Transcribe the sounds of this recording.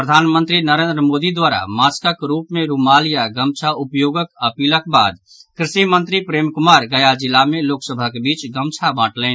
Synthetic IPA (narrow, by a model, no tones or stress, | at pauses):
pɾəd̪ʱanmənt̪ɾinəɾend̪ɾəmod̪id̪ʋaɾa̰maskəkɾupmeɾumalijaɡəmt͡ʃʰaupjoɡəkəpiləkba̰d̪ | kɾɪsimənt̪ɾipɾemkumaɾɡəjad͡ʒilːameloksəbʱəkebit͡ʃɡəmt͡ʃʰabãʈlɛɪn